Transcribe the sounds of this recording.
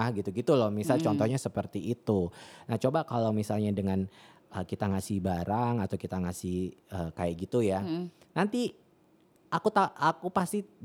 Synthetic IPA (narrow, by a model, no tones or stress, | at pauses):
ɡit̪uɡit̪ulɔmisalt͡ʃɔnt̪ɔhɲasəpərt̪iʔːt̪unaht͡ʃobakalawmisalɲadəŋan | əkit̪aŋasɪhbaɾaŋat̪awkit̪aŋasɪhəːkaɛʔɡit̪ujanant̪i | ʔakut̪aʔakupast̪i